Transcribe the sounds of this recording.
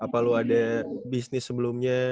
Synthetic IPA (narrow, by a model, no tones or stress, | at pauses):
apaloadabisnɪsːəbəlumɲa